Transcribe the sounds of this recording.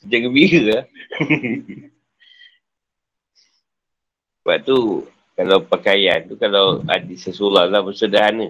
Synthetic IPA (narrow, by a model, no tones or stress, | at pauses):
səd͡ʒaɡəbiɾəa | ba̰ʔt̪u | kalawpakaja̰nt̪ukalawa̰disəsulahlahbəsədaɦanə